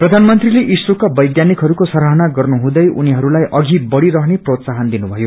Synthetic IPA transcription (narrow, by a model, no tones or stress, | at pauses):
prʌd̪ʱanmʌnt̪rileʔisrukabʌjɡjanikɦʌɾukosʌɾɦʌnaɡʌrnuɦũd̪ʌjʔuniɦʌɾulajʔʌɡʱibʌɽiɾʌɦneprot̪saɦʌnd̪inubʱʌjo